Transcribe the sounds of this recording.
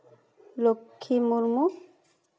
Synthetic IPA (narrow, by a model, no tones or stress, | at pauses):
lokʰːimuɾmu